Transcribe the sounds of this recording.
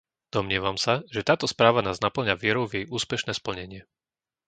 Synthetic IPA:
d̪̥ɔmɲɪɛʋamsaʒɛt̪aːt̪ɔspɾaːʋanaːznapl̩ɲaʋɪɛɾɔʊvjɛjʔuːspɛʃnɛːspl̩ɲɛɲɪɛ

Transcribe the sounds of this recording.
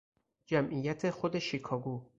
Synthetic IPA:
d͡ʒæmʔijæt̪ʰe̞xod̪eʃikʰɒːɡuː

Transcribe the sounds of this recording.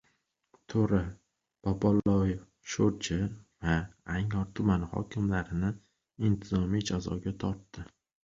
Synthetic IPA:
t̪ʰoɾɪ | b̥ɒpɒlˠɒjɪf | ʃoɾt͡ʃʰɪvaːŋɒɾt̪ʰʊmanhɒ̰kʲʰɪmlaɾɪnɪ | ɪnt̪ʰɪzɒmijd͡ʒazɒ̰ɡʲat̪ʰɒɾt̪ːɪ

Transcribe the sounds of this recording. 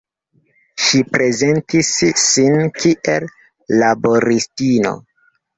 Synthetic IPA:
ʃipɾe̞ze̞ntisːinkiʔelː | abo̞ɾistino̞̰

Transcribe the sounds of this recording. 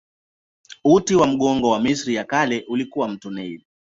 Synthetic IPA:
utiwam̩ɠɔŋɡɔwamisɾijakalɛʔulikuwam̩tunɛil

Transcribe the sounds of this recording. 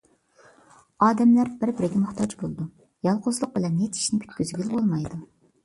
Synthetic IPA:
ɑːd̪ɛmlæɾbɪɾbɪɾɪɡʲɛmʊχt̪ʰɑd͡ʒbolˠd̪u | jɑlˠqʊzlˠʊq̚bɪlɛnːet̪ʰi̥ʃnɪpʰi̥t̪̚ʲkʲyzɡʲylbolˠmɑjd̪u

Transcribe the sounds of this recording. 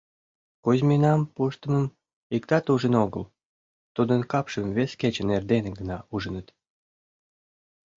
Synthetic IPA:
kuzʲminɑmpuʃt̪ə̆məm | ikt̪ɑt̪uʒənoɣə̰l | t̪ud̪ənkɑpʃəmvesket͡ɕənerd̪eneɡənɑuʒənət̪

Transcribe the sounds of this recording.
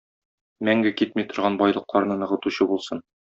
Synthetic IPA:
mæŋɡɘkit̪mit̪ŏɾʁɑnbɒjlˠɤ̆qlˠɑɾnɤnɤ̆ʁɤ̆t̪uɕɤbulˠsɤn

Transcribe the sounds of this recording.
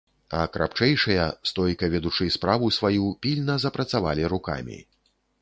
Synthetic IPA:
ɐkɾa̰pt͡ʂɛjʂɐjɐst̪ɔjkɐvʲɛd̪ut͡ʂɨspɾavusvajupʲilʲnɐzɐpɾɐt̪savalʲiɾuka̰mʲḭ

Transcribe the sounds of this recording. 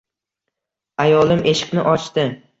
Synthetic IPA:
ajɒlˠɪmʔe̞ʃɪ̥qnɪʔɒt͡ʃt̪ɪ

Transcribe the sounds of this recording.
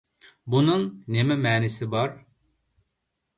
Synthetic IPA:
bunɨŋnemɛmɛːnɪsɪbɑɾ

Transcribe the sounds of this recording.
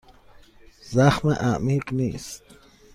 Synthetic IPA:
zaχmaʔaːmiknis

